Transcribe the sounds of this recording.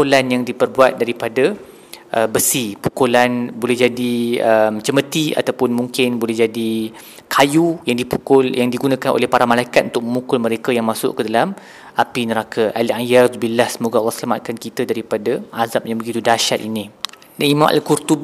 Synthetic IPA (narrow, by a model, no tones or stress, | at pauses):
olanjaŋdipərbuat̪̚daɾipada | ʔəbəsipu̥kolanbolɛhd͡ʒadiəmt͡ʃəmət̪ia̰t̪awpʊnmuŋkɪnbolɛhd͡ʒadi | kʰajujaŋdipukʊljaŋdiɡunãkanʔo̰lɛhpaɾamalajkat̪ʔunt̪ʊk̚məmukʊlməɾekajaŋmasʊ̰ʔkədalam | ʔapinəɾakʰaʔaliãjarzbilahsəmoɡalːɔhsəlamat̪̚kankit̪adaɾipadaʔazap̚jabəɡit̪udaʃat̪̚inĩ | daimãmʔa̰lkurt̪ub